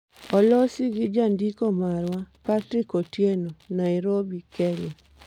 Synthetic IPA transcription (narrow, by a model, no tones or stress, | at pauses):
ɔlɔsiɡɪd͡ʒandikomaɾwapatɾikotjenonaɪɾobikɛle